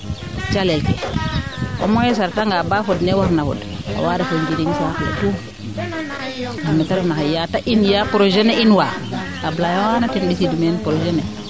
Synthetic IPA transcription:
t͡ʃalelkḛ | ʔo̰mɔjes̬aɾtaŋɡabafodnewaɾnafo̰d | o̰wadafoɲd͡ʒiɾiŋsakla̰tu | hamnetaɾfnahajataʔinjapɾoʒeneʔinwa | ablajowanatinbisidumenpɾod͡ʒene

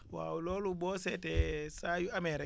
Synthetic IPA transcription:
wa̰ulolubɔsɛtɛsajuamɛɾɛ

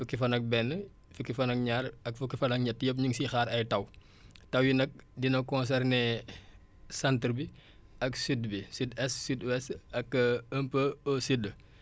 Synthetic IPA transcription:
fukːifɐnɐk̚bɛnːə | fukːifɐnɐk̚ɲaːɾɐkfukːifɐnɐk̚ɲɐtːjɐp̬̚ɲuŋsixaːɾɐjtɐw | tɐwjinɐk̚dinɐkːɔns̬ɛrne | sɐntɾbi | ɐksydbisidɛsːydɛsɐkːəmpəosid

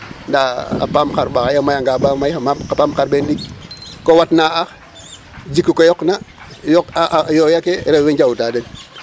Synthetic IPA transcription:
ndaa̰pamxaɾbakajamajaŋɡabamajamamapamxaɾbenlik̚kowatnaax | d͡ʒikːukojɔkna | jokajojakeɾewend͡ʒawutaden

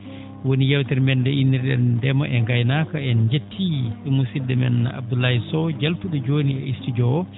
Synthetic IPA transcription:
wonijawtɛɾmɛndɛinːiɾɗɛndɛmaʔɛŋɡajnakaɛnɲd͡ʒetʰːiɛmusidːɛmɛ̰nːa̰a̰b̚dulːahisɔd͡ʒalfuɗud͡ʒoːniɛ̰istid͡ʒɔwɔ

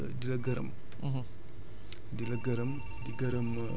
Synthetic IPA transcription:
dilɐɡɐɾɐ̰m | dilɐɡɐɾɐm | diɡɐɾɐm

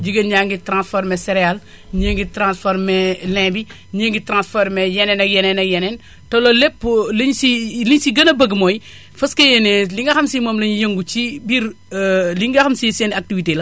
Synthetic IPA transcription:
d͡ʒiɡɐɲaŋɡitɾãnsfoɾmɛseɾeal | ɲəŋɡitɾãːnsfoɾmɛlɛ̃ːbi | ɲəŋɡitɾãnsfoɾmɛjɛnɛnɐkjɛnɛnɐjɛnen | tololepːlɐɲsiliɲsiɡɐnɐbɐɡmoji | fɐskɐjeneliŋɡɐxɐmsimomlɐɲijəŋɡut͡ʃibiɾ | liŋɡɐxɐmsisenak̚tivitelɐ

